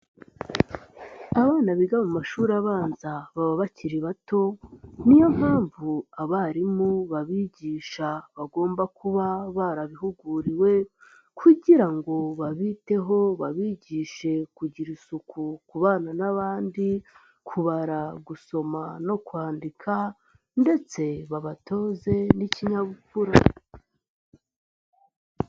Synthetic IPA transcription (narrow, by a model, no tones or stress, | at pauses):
aβaːnaβiɡamumaʃuːɾaβaːnzaβaβaβaciɾiβato̞nijo̞m̥haːɱvuaβaɾimuβaβiːɟiːʃaβaɡo̞ːmbakuβaβaɾaβiɦuɡuːɾiwe̞ | kʰuɟiɾaŋɡo̞βaβiːte̞ɦo̞βaβiːɟiːʃe̞kuɟiɾisukukuβaːnanaβaːndi | kʰuβaɾaɡuso̞mano̞kwaːndikʰa | nde̞t͡se̞βaβato̞ːze̞niciɲaβukuɾa